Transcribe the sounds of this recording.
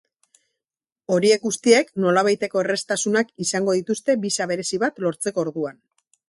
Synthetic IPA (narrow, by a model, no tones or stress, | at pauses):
o̞ɾie̞k̚ɡust̪ie̞kno̞laβajt̪e̞ko̞e̞re̞st̪asunakisaŋɡo̞ðit̪ust̪e̞bisaβ̞e̞ɾe̞siβat̪lo̞ɾt͡se̞ko̞ːɾðuan